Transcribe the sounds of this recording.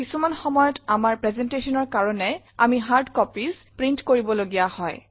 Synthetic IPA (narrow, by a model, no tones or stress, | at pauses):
kisumanxɔmɔjɔtamaɹpɹɛzɛntesɔnɔɹkaɹɔnɛ | a̰miɦaɹdkɔpizpɹintkoɹibɔloɡijahɔj